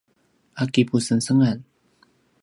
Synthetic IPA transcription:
ʔakipusənsəŋan

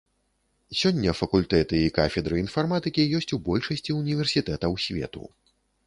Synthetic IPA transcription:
sʲɔnʲːɐfɐkulʲt̪ɛt̪ɨikafʲɛd̪ɾɨinfarmat̪ɨkʲijɔsʲt͡sʲubɔlʲʂɐsʲt͡sʲiunʲivʲɛrsʲit̪ɛt̪ɐwsʲvʲɛ̰t̪ṵ

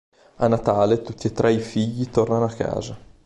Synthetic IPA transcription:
anːat̪aːlet̪ut̪ːiet̪ːɾʔɛifiʎːit̪ornanoakːa̰ːza

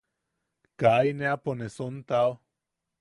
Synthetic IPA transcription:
kajneaponesont̪ao

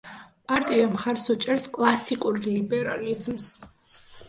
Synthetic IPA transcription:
pʼaɾt̪ʼiamχaɾsɔt͡ʃʼɛɾskʼlˠasikʼuɾlibɛɾalizms

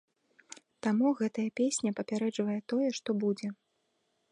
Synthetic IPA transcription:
t̪amuɣɛt̪ɐjɐpʲesʲnʲɐpɐpʲaɾɛd͡ʐvɐjɛt̪ɔjɛʂt̪ɔbud͡zʲɛ

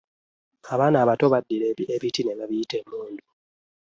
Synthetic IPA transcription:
aβaːnaβatoβadːiɾeieβitineβaβiitemuːndu

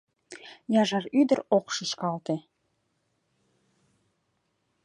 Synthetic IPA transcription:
jɑʒɑryd̪ə̆ɾoqʃəʃkɑlt̪e

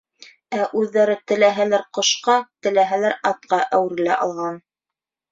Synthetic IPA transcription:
æʔʉðːæɾɘt̪ɘ̆læɦælæɾqŏʃqɑt̪ɘ̆læɦælæɾɑt̪̚qɑʔæwɘ̆ɾɘ̆læʔɑlˠʁɑn

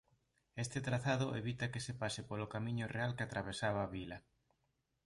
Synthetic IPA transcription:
est̪et̪ɾaθaðʊʔḛβit̪ɐkesepasepolokamĩɲorealkat̪ɾaβesaβaːβilɐ

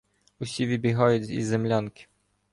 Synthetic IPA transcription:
uɕʲivʲibʲiɦɔjɛzʲḭzɛmlʲankʲi̥

